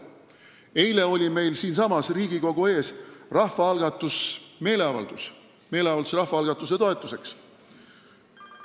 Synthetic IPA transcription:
e̞jle̞o̞lʲime̞jlsiːnsɑmɑsriːɡ̥iko̞ɡ̥ue̞ːsrɑhvɑɑlɡ̥ɑt̪ːˑusme̞ːle̞ɑvɑ̰ld̪̥us | me̞ːleɑvɑld̪usrɑhfɑɑlɡ̥ɑt̪ːˑuse̞t̪o̞e̞t̪ːˑuse̞ks

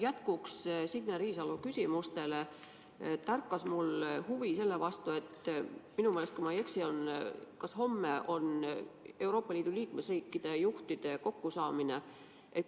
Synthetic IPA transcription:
jæt̪kukssidneɾiːsɑlukysʲimust̪e̞le̞ | t̪ːærkːˑɑsmulhuvise̞lːe̞vɑst̪ue̞t̪minumelest̪kuimɑje̞ksio̞nkɑsho̞mːeʔo̞ne̞uwɾo̞ːpːˑɑliːd̪̥uliːkme̞sriːkˑːid̪̥e̞juht̪id̪̥e̞ko̞kːusɑːmine̞ | ʔe

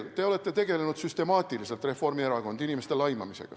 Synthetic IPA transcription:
lt̪e̞ole̞t̪ːe̞t̪e̞ɡe̞le̞nud̪̥syst̪e̞mɑːt̪ˑilise̞lt̪re̞fo̞rmieɾɑɡo̞nd̪inime̞st̪e̞lɑjmɑmise̞̰ɡ̥ɑ̰

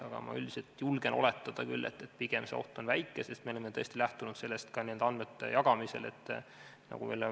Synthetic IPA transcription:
ɑɡ̥ɑ̰mɑ̰ylʲd̪̥i̥selt̪julɡ̥e̞nʔo̞̰le̞t̪ːˑɑd̪̥ɑkylːe̞̰t̪ːe̞t̪ːpiɡ̥e̞msḛo̞̰ht̪o̞nvæjkːˑese̞st̪meolemːet̪ɤ̞st̪ilæht̪unud̪̥se̞lːe̞st̪kɑnield̪̥ɑnmet̪ːˑḛjɑɡ̥ɑmise̞̰le̞̰t̪ː | nɑ̰ɡ̥uveːl

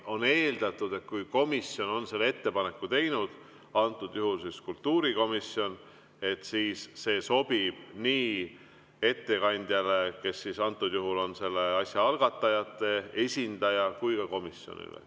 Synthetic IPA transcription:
o̞ne̞ːld̪ɑt̪ːˑud̪̥e̞t̪̚kujko̞misjo̞no̞nse̞lːee̞t̪ːe̞pɑne̞kːut̪e̞jnud̪̥ | ɑnt̪ːˑud̪̥juɦulsiskult̪ːuːɾiko̞misjo̞n | e̞t̪siːsːe̞ːso̞b̥ib̥niː | e̞t̪ːe̞kɑnʲd̪̥ʲjɑle̞ke̞sːisɑnt̪ːˑud̪̥juɦulo̞nse̞lːe̞ɑsʲjɑɑlɡ̥ɑt̪ːˑɑjɑt̪ːˑe̞e̞sʲind̪̥ɑjɑkujkɑko̞misjo̞̰nḭlḛ

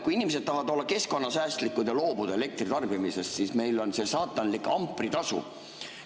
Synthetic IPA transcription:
kuiinimes̬ed̪̚tɑɦɑd̪̥o̞lːɑke̞sko̞nːɑsæːst̪likːud̪̥jɑlo̞ːbud̪̥eele̞k̚t̪rit̪ɑrbimise̞ssisme̞jlo̞nse̞sɑːt̪ˑːɑnlikɑmpːˑrit̪ɑsṵ

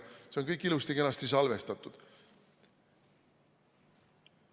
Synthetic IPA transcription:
se̞o̞nkɤjkˑːilust̪ike̞nɑst̪is̬ɑlve̞st̪ɑt̪ːˑud̪̥

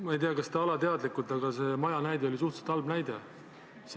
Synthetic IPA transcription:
mɑejt̪eɑkɑsd̪ɑɑlɑt̪e̞ɑd̪likːˑult̪ɑɡɑse̞mɑjɑnæjd̪e̞o̞lis̬uht̪se̥t̪ːɑlbnæjd̪e̞ | s

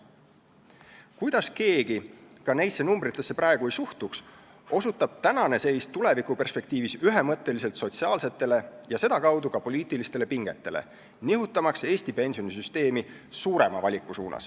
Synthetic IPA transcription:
kujd̪̥ɑske̞ːɡ̥ikɑne̞jsːe̞numbɾit̪ːˑe̞sːe̞prɑeɡ̥uejsuht̪uks | o̞sut̪ːˑɑb̥̚t̪ænɑne̞se̞jst̪ule̞vikupe̞rspe̞k̚t̪iːvisyɦemɤt̪ˑːe̞lis̬e̞lt̪so̞t̪siɑːlse̞t̪ːˑe̞le̞jɑse̞d̪̥ɑkɑwd̪ukɑpo̞liːt̪ˑilist̪e̞le̞piŋɡ̥e̞̰t̪ˑːe̞le̞̰ | niɦut̪ːˑɑmɑkse̞ːsʲt̪ipe̞nʲsio̞nisyst̪e̞ːmi | suːɾe̞mɑvɑlʲikːˑusṵːnɑ̰s

